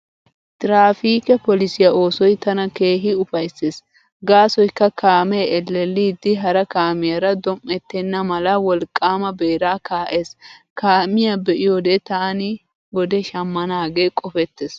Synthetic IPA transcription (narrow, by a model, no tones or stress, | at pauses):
t̪ʼɾaːfiːkɛpɔlɪsɪjɐo̞ːsɔjt̪ɐnɐke̞ːɦɪʊfɐjsːeːs | ɡaːsɔjkːɐkaːmɛɛlːɛlːiːd̪ɪɦɐɾɐkaːmɪjɐɾɐd̪ɔmːɛt̪ːɛnːɐmɐlɐwɔlkʼːaːmɐbeːɾaːkaːʔe̞ːs | kaːmɪjabɛʔɪjod̪ɛt̪aːnɪ | ɡɔd̪ɛʃɐmːɐnaːɡe̞ːkʼɔfɛt̪ːeːs